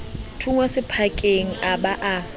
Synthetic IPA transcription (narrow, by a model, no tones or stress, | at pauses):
tʰuŋwasɪpʰakʼeŋ̩abaʔa